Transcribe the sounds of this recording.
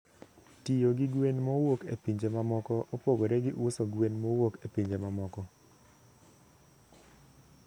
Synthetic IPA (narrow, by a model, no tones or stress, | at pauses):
tijoɡɪɡwenmowokḛpiɲd͡ʒemamɔkɔʔopoɡoɾɛɡɪʔʊsoɡwenmowokepiɲd͡ʒemamɔkɔ